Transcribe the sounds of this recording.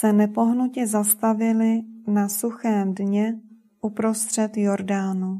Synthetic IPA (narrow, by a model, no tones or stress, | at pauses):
sɛnɛpo̞ɦnucɛzast̪avɪlɪnasuxɛːmdɲɛ | ʔupɾo̞st̪r̝̥ɛt̪jo̞ɾdaːnu